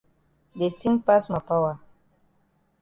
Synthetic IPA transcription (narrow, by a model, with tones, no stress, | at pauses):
de˨ti˦mpa˦sma˨pa˦wa˦˨